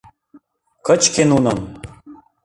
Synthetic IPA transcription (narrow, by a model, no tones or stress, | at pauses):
kʰət͡ʃkʰenunəm